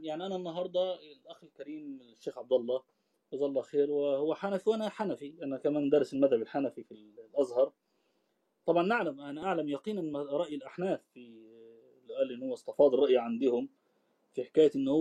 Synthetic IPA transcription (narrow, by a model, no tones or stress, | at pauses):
jaʕniʔananːɑɦɑɾˤd̪ˤɑlʔaxɪlkaɾiːmʃːeːxʕab̚d̪ɑlˤːɑː | ʔæzaːʔlːˤɑːxeːɾwɪhʊwːaħanafwʔanaħanafiʔanakamaːnd̪ɑɾˤɪsɪlmaðhabɪlħanafifillʔazhɑɾˤ | t̪ˤɑbʕɑnʔaʕlamʔanaʔaʕlamjɑqiːnʔɪnɾˤɑʔjɪlʔaħnaːθfi | lʔæːlːʔɪnːhʊwːæst̪ɑfɑːd̪ˤrˤɑʔjaʕand̪ɪhʊm | fiħɪ̥kaːjaʔɪnːhʊ